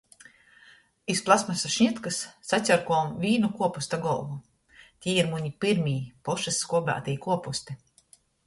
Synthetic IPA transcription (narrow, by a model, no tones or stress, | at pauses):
isplˠasmasaʃɲit̪kasːasʲaɾkuɔmvʲiːnukuɔpust̪aɡɔlˠvu | t̪ʲiːiɾmuɲipiɾmʲiːpɔʃasːkuɔbʲa̰ːt̪ijkuɔpust̪i